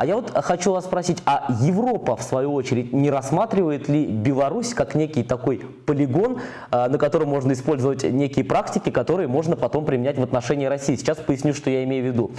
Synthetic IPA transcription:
ɐ̰javo̞t̪xɐt͡ɕuvasspɾɐsʲitʲɐjɪvro̞pəfsvɐjuo̞t͡ɕɪɾʲɪtʲnʲɪɾɐsmat̪ɾʲɪvəjɪt̪lʲɪbʲɪlˠɐɾusʲkaknʲekʲɪjt̪ɐko̞j | pəlʲɪɡo̞n | nəkɐt̪o̞ɾəmmo̞ʐnəɪspo̞lʲzəvətʲnʲekʲɪjəpɾaktʲɪkʲɪkɐt̪o̞ɾɨjəmo̞ʐnəpɐt̪o̞mpɾʲɪmʲɪnʲætʲvət̪nɐʂɛnʲɪːɾɐsʲijːsʲɪt͡ɕːaspəjɪsʲnʲuʂt̪ojaɪmʲejʊvʲːɪd̪u

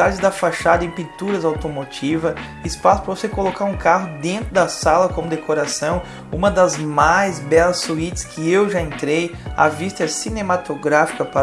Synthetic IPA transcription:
aɾd͡ʒɪzd̪ɐfaʃad̪ɐẽpĩnt̪uɾɐzawt̪omot͡ʃivɐ | ɪspasʊ̥pɾɐvosekolokaɾũkaɦʊd̪ẽnt̪ɾʊd̪ɐsalɐkõmʊd̪ekʰoɾasɐ̃w̃ | ũmɐd̪ɐzmajzbɛlɐssuit͡ʃɪ̥skʰɪewʒaẽnt̪ɾeja̰vist̪ɐsinẽmat̪oɡɾafi̥kɐpa

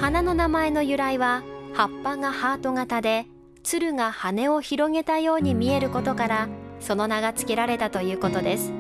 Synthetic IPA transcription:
hanano̞namae̞no̞jɯ̟ɾaiβahapːaŋahaːt̪o̞ŋat̪ad̪e̞ | t͡sɨɾɯ̟ŋahane̞o̞çiɾo̞ŋe̞t̪ajo̞ːɲ̟imʲie̞ɾɯ̟ko̞t̪o̞kaɾaso̞no̞naɡat͡sɨ̥ke̞ɾaɾe̞t̪at̪o̞jɯ̟ːko̞t̪o̞d̪e̞sɨ̥

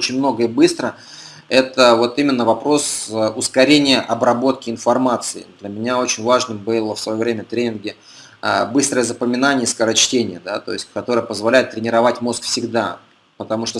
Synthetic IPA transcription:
ot͡ɕɪnʲmno̞ɡəibɨst̪ɾə | ɛt̪əvo̞t̪imʲɪnːəvɐpɾo̞səʊskɐɾʲenʲɪjəʔɐbɾɐbo̞t̪kʲɪɪnfɐrmat̪sɨɪ̰d̪lʲəmʲɪnʲao̞t͡ɕɪnʲvaʐnɨmbɨlˠəfsvɐjovɾʲemʲət̪ɾʲenʲɪnɡʲɪ | ə̰bɨst̪ɾəjəzəpəmʲɪnanʲɪjəskəɾɐt͡ɕtʲenʲɪjəd̪a̰t̪o̞̰jɪsʲt̚ʲkɐt̪o̞ɾəjəpəzvɐlʲæjɪt̪̚ːɾʲɪnʲɪɾɐvatʲmo̞skfsʲɪɡd̪a̰ | pət̪ɐmuʂt̪o

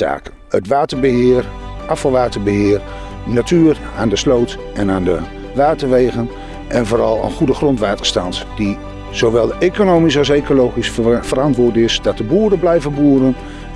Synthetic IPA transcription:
a̰ːk | ətʋaːtəɹbəɦɪːərʔɑfɑlˠʋaːtəɹbəɦɪːr | natyːr | aːndəslowt | ɛnaːndə̰ | ʋaːtəɹʋejχən | ʔɛnvoːɾɑlˠə̰nχudəχrɔntʋaːtəɹstɑntd̥i | z̥oʋɛlˠekonowmisɑlˠsejkolowχisfəɾɑntʋʊːɹdəɪsdɑt̚dəbuːɾəblɛjvənbuːɾən

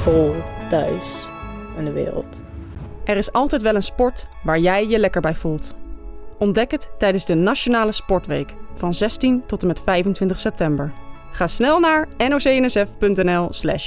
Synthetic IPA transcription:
polˠtœ̰ɥs | ɪndəʋɪ̰ːɾə̰lˠt | ʔɛɾɪsɑlˠtɛjtʋɛlənspɔɹtʋaːɹjɛjːəlɛkəɹbɛjvulˠt | ʔɔndɛkətːɛjdənzdənaʃonaːləspɔɹtʋḛjkfɑnzɛstintɔtəmɛtfɛjvəntʋɪntəχsɛp̚tɛmbəɹ | χaːsnɛlˠnaːɹɛnowsejɛnɛsɛfpɵntɛnɛlˠslɛ̰ʃ

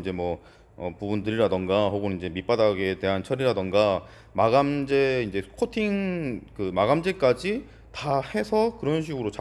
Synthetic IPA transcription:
d͡ʑe̞mwʌ | ʌpubundɯɾiɾadɯŋɡaɦoɡɯnind͡ʑe̞mip͈adaɡe̞te̞ɦant͡ɕʰʌɾiɾadɯŋɡa | maɡamd͡ʑe̞ind͡ʑe̞kʰotʰiŋkɯmaɡamd͡ʑe̞k͈ad͡ʑi | tahe̞sʰʌkɯɾʌnɕ̬ʰiɡɯɾot͡ɕa

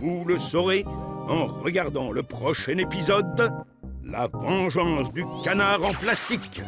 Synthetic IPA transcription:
vuləsɔʁeɑ̃ʁəɡaʁd̪ɑ̃ləpχɔʃɛnepizɔd̪ | la̰vɑ̃ʒɑ̃sd̪ykanaʁɑ̃plast̪ik

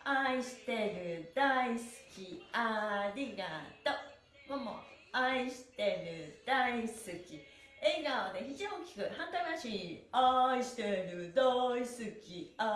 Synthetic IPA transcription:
aiɕi̥t̪e̞ɾɯ̟d̪aisɨ̥kʲiaɾʲiɡat̪o | momo̰aiɕi̥t̪e̞ɾɯ̟d̪̥aisɨkʲi | eːɡaβoneçit͡ɕiõkʲi̥kɯ̟hãnt̪aiaɕiːaiɕi̥t̪eɾɯ̟d̪aisɨkʲia

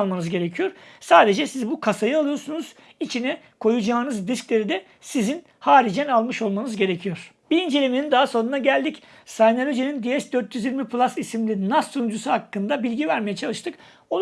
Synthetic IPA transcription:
lˠmanɯzɟe̞ɾe̞cʰijo̞ɾ̥saːd̪e̞d͡ʒɛsizbukʰasajɯalˠɯjo̞ɾsunuz̥ | it͡ʃʰinɛ | kʰo̞jud͡ʒaːnɯzɾisclʲe̞ɾid̪ɛ | sizin | haːɾid͡ʒɛnalˠmɯʃo̞lˠmanɯzɟe̞ɾecʰijo̞ɾ̥ | biind͡ʒe̞lʲeminind̪aɦaso̞nunaɟælʲd̪ic | sajnalʲod͡ʒinind̪iɛsd̪øɾt̪jyzjiɾmipʰlˠasisimlʲinasːunud͡ʒusuhakːɯnd̪abilʲɟivæɾmejɛt͡ʃʰalˠɯʃt̪ʰɯk | o

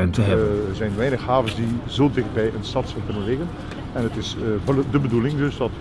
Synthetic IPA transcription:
mtəɦɛərzɛjnʋɛjnəxɦaːvənsdizoːdɪx̚bɛjʔənstɑtsənkɵnənlɪɣən | ɛnətɪsdəbədulɪŋdɵsdɑt

